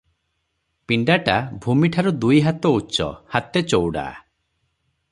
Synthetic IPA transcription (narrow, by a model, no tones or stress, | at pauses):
piɳɖaʈabʱumiʈʰaɾud̪ujɦat̪ɔut͡ʃɔ̰hat̪et͡ʃowɽa̰